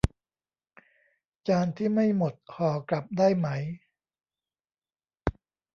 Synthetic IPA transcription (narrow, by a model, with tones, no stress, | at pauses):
t͡ɕaː˧nt̪ʰiː˥˩ma˥˩jmo˨˩t̪̚kʰɔː˨˩˦kla˨˩p̚daː˥˩jma˦˥j